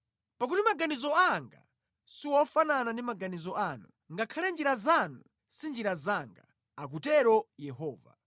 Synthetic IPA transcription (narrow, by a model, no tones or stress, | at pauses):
pak̬utimaɡanizɔaŋɡa̰ | siwɔfananandimaɡanizɔanu | ŋɡakʰalɛnd͡ʒiɾazanu | sind͡ʒiɾazaŋɡa | ak̬utɛɾɔjɛɦɔːva̰